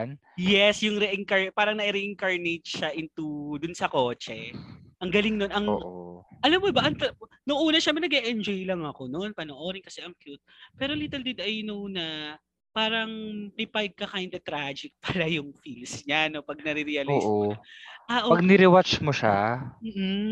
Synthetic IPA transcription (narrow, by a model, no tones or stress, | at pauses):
n | jɛsjʊŋɾɛʔɛŋkɐɹpaːɾɐŋnɐʔiɾɛʔɪŋkɐɹnet̪̚ʃaʔɪnt̪ud̪ʊnsɐko̞ːt͡ʃɛʔɐŋɡɐlɪŋno̞nʔɐŋoːʔʔɐlɐmːobɐʔɐŋt̪ | nʊŋʔuːnɐʃamɐnɐɡɛʔɛnd͡ʒojlɐŋɐko̞no̞npɐnoʔo̞ːɾɪŋkɐsɛʔɐŋkjut̪̚pɛːɾo̞liːt̪ɛld̪ɪd̪ʔɐjnʊʔuːnɐ | paːɾɐŋpɪpajɡ̚kːɐkajnd̪ɐt̪ɾad͡ʒɪk̚pɐlajʊŋfilsɲano̞pɐɡ̚nɐɾiɾiɐloːsʔoʔaʔopɐɡnɪɾɪwat͡ʃmoʃa̰m̩ːʔ̩